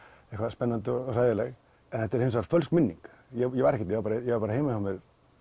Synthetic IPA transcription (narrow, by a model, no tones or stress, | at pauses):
ehkvaɾspɛnːant̪ɔɔsaːjɪlɛɣ | ɛnhɛt̪ɛɾhɪnsvaɾt̪fœlskmɪnːḭŋk | jɛjɛvaɾɛhcːɛt̪jɛvaɾpaɾajɛvaɾpaɾheːjmahamɛð